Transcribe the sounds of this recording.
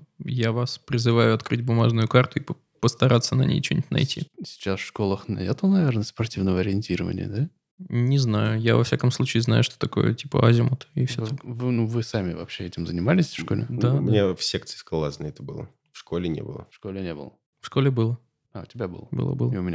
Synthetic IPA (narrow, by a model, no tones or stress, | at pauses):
javaspɾʲɪzɨvajʊɐt̪kɾɨdʲbʊmaʐnʊjʊkart̪ʊipə | pəst̪ɐɾat̪sːənɐnʲḛjt͡ɕunʲɪtʲnɐ̰jtʲisʲɪ̥t͡ɕasfʂkolˠəxnɐ̰ɛt̪ənɐvʲernəspɐrtʲivnəvəɐɾʲɪɪnʲtʲiɾəvə̰nʲɪ̰ə̰d̪a | nʲɪznajʊjavɐfsʲakəmslˠut͡ɕɪːzna̰jʊʂt̪o̥t̪ɐko̞̰jə̰tʲipə̰azʲɪmʊt̪ɪfsʲot̪avɨnuvɨsamʲɪvɐ̰pɕeɛtʲɪmzənʲɪmalʲɪsʲfʂkolʲɪ̰d̪amʲɪnʲefsʲek̚t̪sɨ̥skalˠaznəɛt̪əbɨlˠə̰ | fʂkolʲɪnʲḛbɨ̰lˠə̰fʂkolʲɪnʲebɨ̰lˠə | fʂkolʲɪbɨlˠə | aʊtʲɪbʲabɨ̰lˠəbɨ̰lˠə̰bɨ̰lˠʊmʲɪnʲa